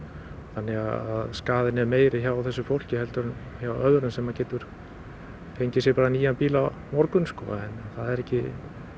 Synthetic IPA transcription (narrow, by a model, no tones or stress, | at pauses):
θanːɛɣaðaðskaːðɪnɛɾmeːjɾɪçawaθɛsːʏfowl̥cɪhɛlt̪ʏɾʏnçawʔœðɾʏnsɛmːacɛːt̪ʏɾ̥ | fʰejɲcɪsjɛpaːɾaniːjanpiːla | mɔɾkʏnskɔ̰a̰ɛnθaðɛɾɛhcːɪ